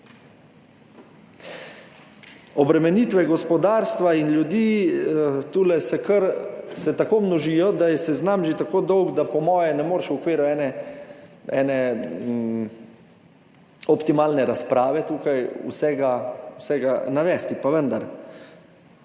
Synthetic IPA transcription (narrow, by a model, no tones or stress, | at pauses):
ɔbɾɛmɛniːt̪ʋɛɡɔspɔd̪aːɾst̪ʋainlʲjud̪iː | t̪uːlɛsɛkəɾsɛt̪akoːmnɔʒijɔd̪ajɛsɛznamʒet̪akoːd̪ɔwɡd̪apɔmɔːjɛnɛmoːɾʃwɔkʋiːɾuɛːnɛ | ɛːnɛ | ɔpt̪imaːlnɛɾaspɾaːʋɛt̪uːkajṵsɛːɡawsɛɡanaʋɛːst̪ipaʋənd̪aɾ